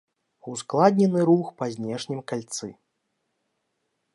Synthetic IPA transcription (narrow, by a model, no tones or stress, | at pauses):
usklˠad̪ʲnʲɛnɨɾuxpɐzʲnʲɛʂnʲimkalʲt̪sɨ̰